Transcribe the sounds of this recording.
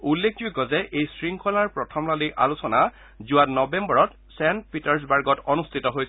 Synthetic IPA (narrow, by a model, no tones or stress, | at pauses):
ulːekʰd͡ʒukɔzɛʔejsɹiŋkʰɔlaɹpɹɔtʰɔmlaliʔa̰lusɔna | zʊatnɔbɛmbɔɹɔt | sɛnpitɔɹs̬baɹɡɔtɔnustʰitɔɦojs